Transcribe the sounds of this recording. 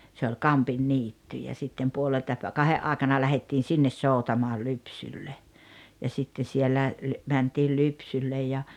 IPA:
se olʲ kɑmpinːiːtːy jɑ sitːem puoleltɑ pæ kɑheʔ ʔɑːĕkɑnɑ læhetːiːn̞ sinːes soˑutɑmoɑl lypsylːej jɑ sitːe sielːæ mæntiːl lypsylːej jɑ

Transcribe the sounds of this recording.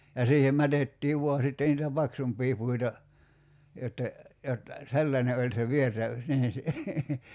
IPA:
jɑ siːhem mætetːiː ʋuɑ sitːe niːtæ pɑksumpˑiː puitɑ jotːe jot selːɑnʲe olʲ se ʋiertæ niː

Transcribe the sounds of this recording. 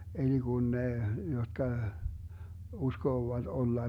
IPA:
eli ɡ̊un ne jotkɑ uskoːʋɑt olːɑ

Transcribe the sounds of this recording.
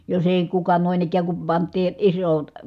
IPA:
jos eˑi kukɑ noˑin ikˑæːŋ kum pɑntˑiː isot

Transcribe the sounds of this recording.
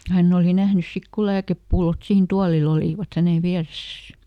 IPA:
hænː oˑli næhnys sik ko læːkepːulːot siːn tuɑlil oliˑʋɑt hænen̞ ʋiæresæs

